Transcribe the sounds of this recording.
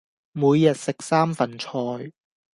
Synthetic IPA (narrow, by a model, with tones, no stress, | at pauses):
muː˨˧jːɐ˨t̚sɪ˨k̚saː˥mfɐ˨nt͡ʃʰɔː˧j